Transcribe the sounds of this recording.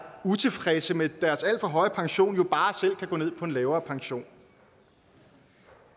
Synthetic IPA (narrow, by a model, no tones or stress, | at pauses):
ut͡sʰe̝fʁɛsəmed̥æɐsæl̰d̥fɒ̽ɦɒ̽ɪəpʰɑ̈ŋɕo̝̰ːnjo̝b̥ɑ̈ːsel̰kʰæɡ̥ɔ̽ːne̝ð̰ˠpʰɒ̽e̝nlɛːʊɐːpʰɑ̈ŋɕo̝̰ːn